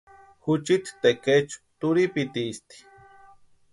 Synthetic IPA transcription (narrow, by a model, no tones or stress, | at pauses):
xut͡ʃit̪i̥t̪eket͡ʃu̥t̪uɾipit̪ist̪i̥